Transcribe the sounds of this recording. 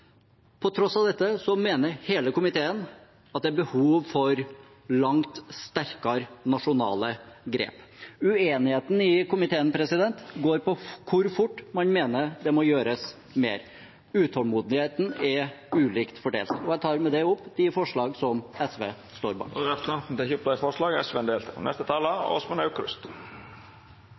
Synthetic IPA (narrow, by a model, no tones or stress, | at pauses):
pʰɔt̪ʰɾɔsɑʋd̪ɛt̪ːəsɔmeːnəɾheːləkʊmɪt̪ʰeːən | ɑt̪̚d̪ɛæbəhuːʋfɔɾ | lɑŋt̪st̪æɾkɑɾnɑʂʊnɑ̰ːləɡɾḛːpʉeːnɪheːt̪n̩ɪkʊmɪt̪ʰeːənpʰɾɛsɪd̪ɛnt̪ɡoːɾpɔkʰʊɾfʊʈːmɑnmeːnəɾd̪ɛmɔjøːɾəs | mḛːɾ | ʉːt̪ʰhɔlmuːd̪nɪheːt̪n̩ɛʉːliːkt̪fɔɖḛːlt̪ɔæt̪ʰɑːɾmɛd̪ɛʊpːd̪ɪfɔʂɭɑːɡsɔmɛsʋḛː | st̪oːɾbɑ̰ɾɛt̪ɑd̪ɛçʊpd̪ɑfɔʂlɑːɡɛsʋeɛnd̪eːlt̪ʰɔ̰nɛ̰st̪ət̪ʰɑːləɔ̰smɛnɑʉkɾʉ̰st̪